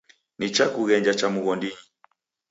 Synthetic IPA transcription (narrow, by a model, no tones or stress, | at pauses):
nit͡ʃakuɣɛɲd͡ʒat͡ʃamuɣɔndiɲi